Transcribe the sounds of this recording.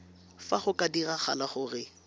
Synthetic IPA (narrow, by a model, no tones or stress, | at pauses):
faχʊkʼadiraχa̰laχʊrɪ